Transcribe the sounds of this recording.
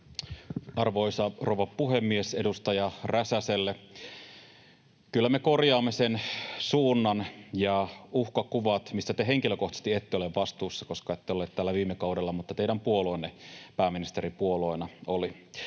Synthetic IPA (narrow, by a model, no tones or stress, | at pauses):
ɑrʋoisɑrouʋɑppuɦemːiesedust̪ɑjɑræsæselːe | kylːæmekorjɑːmːesensuːnːɑnjɑuhkɑkuʋɑt̪misːæt̪eɦeŋkiløkoht̪ɑ̥st̪iet̪ːeoleʋʋɑst̪uːsːɑkoskɑet̪ːeolet̪t̪æːlːæʋiːmːekɑudelːɑmut̪ːɑt̪eidæmpuoloinːepæːminist̪eɾipuolo̞inɑoli